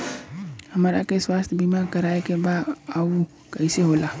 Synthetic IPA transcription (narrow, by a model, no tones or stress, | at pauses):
həmɾakeswast̪ʰbimaɾkəɾaekebad̪au | kəɪseɦola